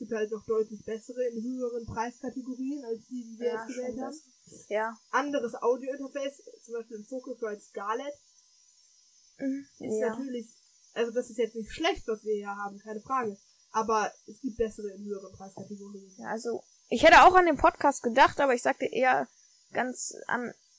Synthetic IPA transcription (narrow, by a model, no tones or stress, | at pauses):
sɡ̥iːp̚thaltnɔχd̥ɔʏtlɪçb̥ɛsəʁəɪnɦøːəʁ̞ənpʁ̥aɪskʰateɡoʁiːənalsd̥iːdiːviːɐjɛsɡ̥əvɛːlthaːs̩ | ʔandəʁəsʔa̰ʊdjoɪntɐfɛɪst͡sʊmbaɪʃpiːlɪmfokəklɔtsɡ̥aːlɛt | ʔʔɪsnatʰyːɐlɪç | ʔalzodasɪstjɛt͡stnɪçtʃlɛçtv̥asv̥iːɐjaːhaːbm̩kʰaɪnəfʁ̥aːɡə | ʔaːbɐɛsɡ̥iːp̚t̚b̥ɛsəʁəɪnhøːəʁənpʁ̥aɪskʰateɡoʁiːənʔalzo | ʔɪçhɛtəaʊxandeːmpʰɔtkʰaːst̚ɡ̥ədaχtʔaːbɐɪçz̥aːk̚təʔeːɐ | ɡ̥ansʔa̰n